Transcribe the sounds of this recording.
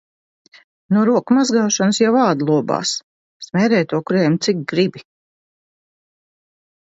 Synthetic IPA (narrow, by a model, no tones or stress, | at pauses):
nuɔɾuɔkmazɡaːʃansjavaːd̪lˠuɔba̰ːs | smʲɛːɾɛːjt̪uɔkuɾɛːmt̪sikɡɾibi